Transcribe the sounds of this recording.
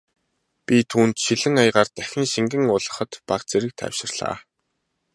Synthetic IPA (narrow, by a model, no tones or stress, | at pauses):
pʲit̪ʰuːnt̪ʃiɮɘ̆ŋajʁaːrt̪æxʲɪ̆nʃiŋɡɘ̆ŋʊɮə̆χə̆t̪paqt͡sʰeɾɘ̆k̚t̪ʰæ̰wʃɪ̆rɮa̰ː